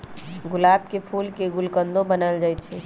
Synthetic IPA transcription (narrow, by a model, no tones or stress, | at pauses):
ɡʊlaːb̚kepʰuːlkeɡʊlkənd̪ʱõbənəld͡ʒaːjtt͡ʃʰɛ